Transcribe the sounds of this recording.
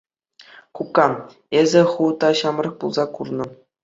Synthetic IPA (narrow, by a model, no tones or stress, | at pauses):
kukːɑ | ezʲɘ̆χut̪ɑɕɑmrɤ̆k̚pulˠzɑkurnɤ̆